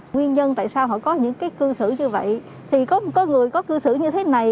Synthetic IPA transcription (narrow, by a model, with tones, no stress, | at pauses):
ŋwi˧ənɲə˧nt̪a̰ː˧˨jsaː˧wɦɔ̰˧˨kɔ˨˦ɲɨ̰˧˥ŋkaː˨˦jkɨ˧sɨ̰˧˩ɲɨ˧və̰˧˨j | t̪ʰi˨˩kɔ˨˦m˨˩t̚kɔ˨˦ŋɨ˨˩əjkɔ˨˦kɨ˧sɨ̰˧˩ɲɨ˧t̪ʰe˨˦na˨˩j